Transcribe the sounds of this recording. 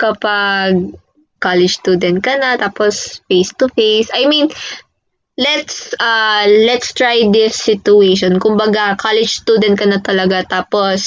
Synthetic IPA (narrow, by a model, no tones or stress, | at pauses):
kɐpaɡ̚ | kalɛd͡ʒd͡ʒst̪ud̪ɛnt̪̚kɐnɐt̪aːposfejst̪ʊfejsʔɐjmĩn | lɛt̪sʔɐlɛt̪st̪ɹajd̪ɪsːɪt̪ʊejʃɔnkʊmbɐɡakalɪd͡ʒst̪uːd̪ɛnt̪̚kɐnɐt̪ːɐlɐɡat̪aːpos